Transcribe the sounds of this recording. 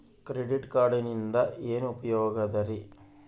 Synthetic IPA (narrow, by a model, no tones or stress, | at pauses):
kɾeɖiʈkaːɾɖinind̪ɐeːnuupɐjɔːɡɐd̪ɐɾi